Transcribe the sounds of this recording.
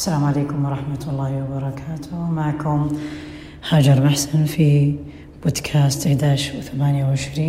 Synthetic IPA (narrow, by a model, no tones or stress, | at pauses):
ʔasːalaːmʕaleːkʊmwɑɾˤɑħmat̪ɑlˤːaːhɪwɑbɑɾˤɑkʰaːt̪ʰʊmaʕkʊm | haːd͡ʒɑɾˤmaħsanfi | b̥oːd̪kʰaːst̪ɪħd̪aːʕʃθamaːnjawʕɪʃɾiː